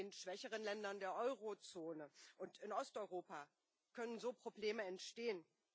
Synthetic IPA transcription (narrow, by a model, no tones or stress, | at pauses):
eːnʃv̥ɛçəʁ̞ənlɛndɐndeːɐʔɔʏʁot͡soːnəʔʊntɪnɔstʔɔʏʁoːpa | kʰœnənzoːpʁ̥obleːməɛntʃteːən